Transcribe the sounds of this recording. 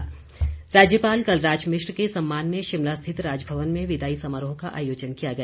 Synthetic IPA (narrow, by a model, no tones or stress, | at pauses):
ɾaːd͡ʒjəpaːlkɐlɾaːd͡ʒmɪʃɾkesɐmːaːnmẽʃɪmlast̪ʰɪt̪ɾaːd͡ʒbʱɐʋənmẽʋɪd̪aːisɐməɾɦõkaʔa̰ːjoːd͡ʒənkijaɡɐjaː